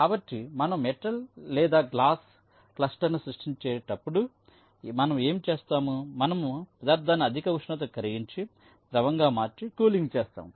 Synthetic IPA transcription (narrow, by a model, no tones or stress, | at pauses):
kaːbɐʈːimɐnɐmmɛʈɐllɛːd̪aːɡlaːs | klɐsʈɐɾnusɾɐʂʈiɲt͡ʃɛːɾɐʈɐpːuɽu | mɐnɐme̞ːmit͡ʃeːst̪aːmumɐnɐmupɾɐd̪aːɾd̪ʱaːnɐɐd̪ʱikɐʋuʂnɐt̪̬ɐkɐɾiɡiɲt͡ʃi | d̪ɾɐʋɐŋɡaːmaːɾt͡ʃikuːliŋɡt͡ʃeːst̪a̰ːmu